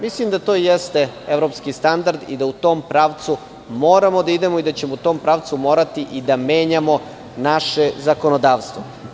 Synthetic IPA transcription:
mislimd̪at̪o̞ːjest̪e̞eʋɾo̞pskist̪and̪aɾd̪id̪aut̪o̞ːmpɾaːʋt̪su | mo̞ːɾamo̞d̪aid̪e̞moid̪at͡ɕemout̪o̞ːmpɾaʋt̪sumo̞ːɾat̪iʔid̪ame̞ːɲamo̞ | naʃe̞zako̞nod̪aːʋst̪ʋo

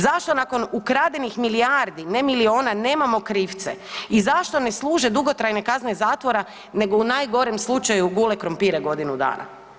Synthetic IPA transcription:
zaʃt̪o̞nako̞nukɾaːd̪enixmiliaɾd̪inemilio̞ːnane̞ːmamokɾiːft̪sḛizaʃt̪o̞ne̞slˠuːʒe̞d̪uɡo̞t̪ɾajne̞kazne̞zaːt̪ʋo̞ɾa | ne̞ɡo̞unaːjɡo̞ɾemslˠut͡ʃajuɡule̞kɾompiɾeɡo̞d̪inud̪a̰ːnʔa̰

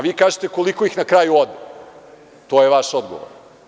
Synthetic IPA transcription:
ʋiːkaːʒet̪eko̞liko̞ixnakɾajuod̪e | t̪oːjeʋaʃod̪ɡoʋo̰ɾ

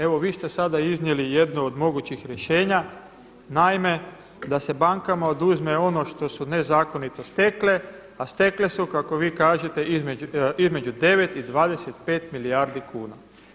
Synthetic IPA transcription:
e̞ʋo̞ʋiːst̪e̞sad̪aiznije̞lije̞d̪nood̪mo̞ɡut͡ɕixɾjeʃe̞ːɲa | naime̞ | d̪ase̞baŋkamao̞d̪uzme̞o̞no̞ʃt̪o̞sune̞zaːko̞nit̪o̞st̪e̞kle̞ | ast̪e̞kle̞sukako̞ʋiːkaːʒet̪e̞izmeuizme̞d͡ʒud̪e̞ʋet̪id̪ʋaːd̪eset̪pe̞ːt̪miliaɾd̪ikuːna̰

